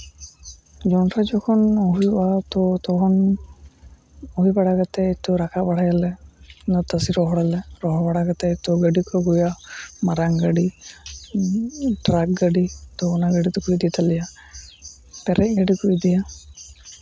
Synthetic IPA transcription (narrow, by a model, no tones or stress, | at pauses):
d͡ʒɔntʰad͡ʒɔkʰɔnoɦujbat̪ɔt̪ɔkʰɔn | oɦubaɽaɡat̪ɛːt̪ɔɾakʰabaɽʰajalɛnɔt̪asiɾɔɦɔɽalɛɾɔɦɔbaɽaɡat̪ɛt̪ɔɡəɖikɔɡujamaɾaŋɡaɖi | ʈɾak̚ɡaɖit̪ɔɔnaɡaɽit̪ɔkuid̪it̪alija | pɛɾɛc̚ɡaɖikuid̪ija